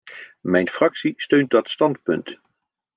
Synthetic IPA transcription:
mɛjnfrɑksistøɥnt̚dɑtstɑntpɵ̰nt

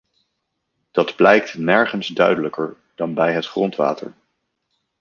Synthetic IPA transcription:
d̥ɑdblɛjk̚tnɛɹχənzdœ̰ɥdələkəɹ | d̥ɑnbɛjɦətχrɔntʋa̰ːtə̰ɹ

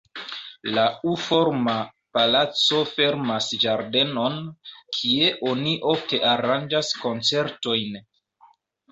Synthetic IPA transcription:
laufo̞ɾma | palat͡so̞fe̞ɾmasʒaɾde̞no̞nkʰie̞ʔo̞niʔo̞fte̞ʔaɾand͡ʒasko̞nt͡se̞ɾto̞jn

